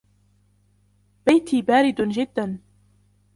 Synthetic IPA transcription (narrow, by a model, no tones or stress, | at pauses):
b̥ajt̪ʰiːbaːɾɪd̪d͡ʒɪd̪ːan